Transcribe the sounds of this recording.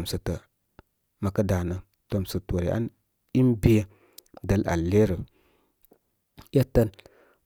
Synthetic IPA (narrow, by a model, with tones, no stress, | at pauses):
msə˨tə˨ | ma˨kə˦da˨nə˨ | to˨msə˨to˨ɾḛ˨ʔa̰˦n | i˦mbi˦jə˦ | də˦la̰˨lːe˦ɾə˨ | jə˦tə˦n